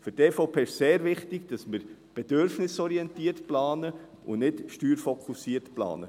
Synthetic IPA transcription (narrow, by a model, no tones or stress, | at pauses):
fʏɾteːfoʊpʰeːɪʃseːɾʋɪχtɪɡd̥ɑsmɪɾb̥ɛd̥øɾfnɪsɔɾiɛntiəɾtplɑːnə | ʔʊ̰nɪtʃtyːɾfɔkʰusiːəɾtplɑ̰ːnə̰